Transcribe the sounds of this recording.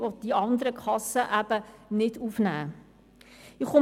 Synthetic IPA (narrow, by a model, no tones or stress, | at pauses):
ɔt̚d̥iɑndəɾəkʰɑsəʔæbənɪtufnæː | iχo